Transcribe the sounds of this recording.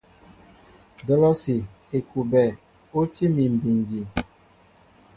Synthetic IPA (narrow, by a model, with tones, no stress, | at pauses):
dɔ˦lɔ˦si˨ | e˨ku˨bɛ˨ | o˦ti˦mi˨m̩˨bi˨ndi˨